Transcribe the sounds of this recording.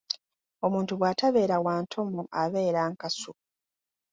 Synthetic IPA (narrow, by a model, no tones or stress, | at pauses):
o̞muːntuβwaːtaβe̞ːɾawaːntʰo̞moʔaβe̞ːɾaːŋkasu